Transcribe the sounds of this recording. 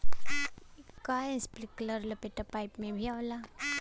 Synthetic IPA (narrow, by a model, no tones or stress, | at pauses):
kaẽsplɪkləɾləpeʈapaːɪpmẽbʱiaʋla